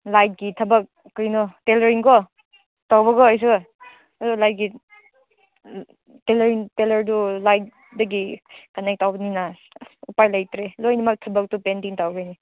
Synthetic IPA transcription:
lajt̚ɡitʰɐbɐk̚ːɯjnɔteleɾiŋkɔ | tawbɐɡɔajs̬ɯ | ulajt̚ɡi | teleɾiŋtelɐɾdulajt̚ | dɐɡikanek̚tawbɐnina | upajlajtɾelojnimak̚tʰɐbɐk̚tupendiŋtawɡajni

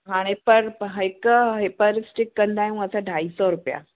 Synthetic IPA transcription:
ɦaɽ̃epəɾɦəekəɦepəɾisʈikːənd̪ajũəsaɖʱaisɔɾupja̰

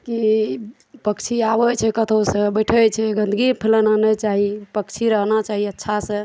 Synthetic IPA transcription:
ki | pəkt͡ʃʰiabət͡ʃʰɛkət̪ʰosə̃bəjʈʰəjt͡ʃʰɛɡə̃nd̪ɡipʰelənanɛt͡ʃaɦipəkt͡ʃʰiɾəɦnat͡ʃaɦiətːʃʰasə̃

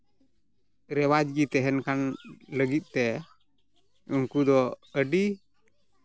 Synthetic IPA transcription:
ɾɛwad͡ʒɡit̪ɛɦɛnkanləɡit̪̚ˀt̪ɛ | uŋkud̪ɔəɖi

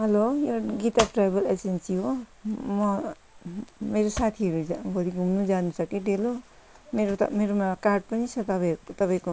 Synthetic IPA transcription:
ɦʌlojoɡit̪apʈrajbʌlesent͡sʰijomʌ | meɾosat̪ʰiɦʌɾuɡʱʌd̪iɡʱumnud͡zanusʌkiʈelo | meɾo̰meɾomakarɖ̚pʌnisʰʌt̪ʌat̪ʌpaĩko

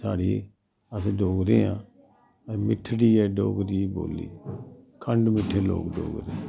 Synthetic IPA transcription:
saːɽiː | əsɖoːɡɾeːã̰ː | mɪʈʰːɽiːɛːɖoːɡɾiːbo̰ːlḭːkʰəɳɖmɪʈʰːeːlo̰ːkɖo̰ːɡɾeː

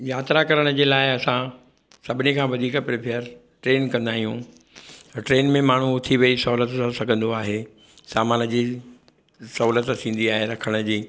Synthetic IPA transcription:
jaːt̪ɾakɐɾəɽ̃əd͡ʑeːlaːɪɐsã | sɐbʱɪnikʰãːʋɐd̪ʱiːkpɾɪpʰeəɾ | ʈɾeːnkɐ̃nd̪aːɦijũ | ʈɾeːnmẽmaːɳ̤̃uʊt̪ʰiʋɐisɐɦuːlət̪sãsɐɡʱə̃nd̪oaːɦeː | saːmaːnə̆d͡ʑiː | sɐɦuːlət̪sĩːn̆d̪iaːɦeɾɐkʰəɽ̃əd͡ʑiː

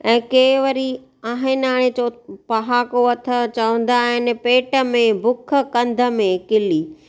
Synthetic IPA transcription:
ɛ̃ːkeːʋəɾi | aːɦɪnaːɽ̃et͡ɕopɐɦaːkoɐt̪ʰə̆t͡ɕɐʋə̃n̆d̪aːɦɪnɪ̆peːʈə̆mẽbʊkʰə̆kɐ̃nd̪ʱə̆mẽkɪliː

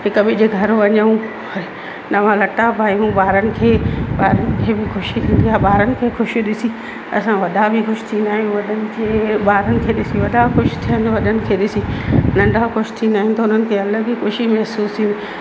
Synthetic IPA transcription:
ɦɪkbɪd͡ʑeːɡʱɐɾoɐɲəũ | ɐe | nɐʋãlɐʈabʱaːiɦũbaːɾənɪ̆kʰeːɓaːɾənɪ̆kʰeːbʱɪxʊʃit̪ʰĩːnd̪iaːɓaːɾənɪ̆kʰeːxʊʃɗɪsi | ɐ̰sãʋɐd̪ʱabʱɪxʊʃt̪ʰĩːnd̪aːɦijũʋɐɗʱənɪ̆kʰeːɓaːɾənɪ̆kʰeːɗɪsĩʋɐd̪ʱaxʊʃt̪ʰijə̃nʋɐɗənɪ̆kʰeːɗɪsĩnɐ̃ɳɖʱaxʊʃt̪ʰĩnd̪aːɦɪ̃nt̪ɐʊn̤ənɪ̆kʰeːɐləɡixʊʃimɛɦsuːst̪ʰĩːnd̪i

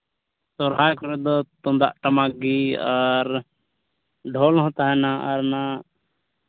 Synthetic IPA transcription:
sɔɾɦajkɔɾɛd̪ɔt̪ɔ̃nd̪a̰ʔʈamaɡiaɾ | ɖʱɔlɦɔ̃t̪aɦɛnaʔaɾna

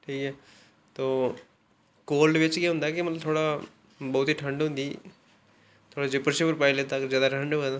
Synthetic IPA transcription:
ʈʰiːkɛ | t̪oː | kolɖʋet͡ɕkjẽɦũnd̪akimɐt̪lt̪ʰoɽa | bəɦut̪iːʈʰəɳɖɦũnd̪iː | t̪ʰoːɽad͡ʑepəɾɕipəɾpailet̪akəɾd͡ʑjaːd̪aʈʰəɳɖt̪a

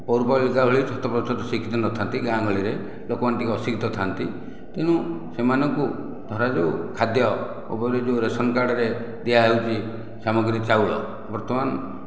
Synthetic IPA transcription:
pɔwɾpɔlikaɦuɭit͡ʃʰɔt̪ɔpɾɔɔt̪ɔsikʰit̪ɔnɔt̪ʰant̪iɡãŋɡɔɭiɾe | lokɔmant̪ikɔsikʰit̪ɔt̪ʰant̪i | t̪eɽ̃ũ | semanɔŋku | d̪ʱɔɾad͡ʒekʰad̪jɔ | o̰pɔɾed͡ʒewɾesɔnkaɽɔɾe | d̪iaɦewt͡ʃʰi | samɔɡɾit͡ʃawɭɔ̰ | bɔɾt̪ɔman

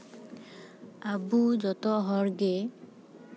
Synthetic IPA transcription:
abuzɔtɔɦɔɹɡe

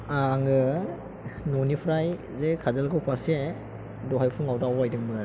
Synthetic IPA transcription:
aŋɯ | nɔnipʰɾaj | zekʰazalɡawpʰase | dɔɦajpʰuŋawdaawajdɯŋmɯ

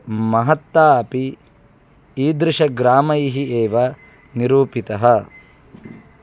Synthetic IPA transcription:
mɐɦɐt̪ːaːɐpi | iːd̪ɾɪʂɐɡɾaːmɐjiɦieːʋɐ | niɾuːpit̪ɐɦɐ

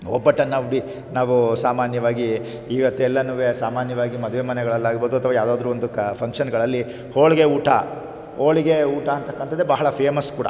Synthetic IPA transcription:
ɔ̰bːɐʈːɐnːɐʋɽi | naːʋusaːmaːnjɐʋaːɡiː | ʋɐt̪ːeɛlːɐnɐʋesaːmaːnjɐʋaːɡimɐd̪ʋemɐnɛɡɐɭɐlːaːɡboːd̪uɐt̪ʰɐʋaːjaːd̪aːd̪ɐɾuːond̪upʰɐŋkʂɐnɡɐɭɐlːi | hoːɭiɡeuːʈɐ̰ | oːɭiɡeuːʈɐːɐnt̪ɐkːɐnt̪ɐd̪ːebɐɦɐɭɐpʰeːmɐskuːɽɐ̰

